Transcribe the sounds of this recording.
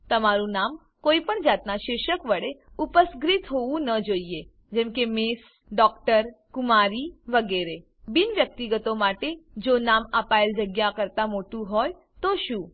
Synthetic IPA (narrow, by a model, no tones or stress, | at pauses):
t̪əmaɾũnam | koipəɳd͡ʒat̪naʃɪɾʃəkʋəɽeupəsɡɾit̪ɦoʋũnəd͡ʒoie | d͡ʒɛ̃mkemes | ɖɔkʈəɾkumaɾiʋəɡeɾe | binʋjək̚t̪iɡət̪omaʈed͡ʒonamapaeld͡ʒəɡjakəɾt̪amoʈũɦoj | t̪oʃũ